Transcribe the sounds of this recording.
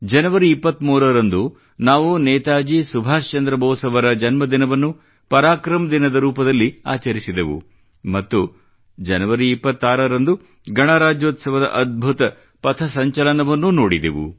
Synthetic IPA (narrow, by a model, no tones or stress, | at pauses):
d͡ʒɐnɐʋɐɾiipːɐt̪ːmuːɾɐɾɐnd̪u | naːʋunɛːt̪aːd͡ʒisubʱaːʃt͡ʃɐnd̪ɾɐbʱɐːsɐʋɐɾɐd͡ʒɐnmɐd̪inɐʋɐnːu | pɐɾaːkɾɐmɐd̪inɐd̪ɐɾuːpɐd̪ɐlːiaːt͡ʃɐɾisid̪eʋṵ | mɐt̪ːu | d͡ʒɐnɐʋɐɾiːpːɐt̪ːaːɾɐɾɐnd̪u | ɡɐɳaːɾaːd͡ʒjoːt̪sɐʋɐd̪ɐ̰ʔɐd̪̚bʱut̪ɐ | pɐt̪ʰɐsɐɲt͡ʃɐlɐnɐʋɐnːunoːɽid̪ḛʋṵ